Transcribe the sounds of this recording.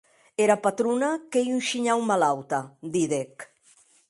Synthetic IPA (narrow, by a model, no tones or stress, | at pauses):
eɾapat̪ɾunakejunʃiɲawmalawt̪ad̪iðek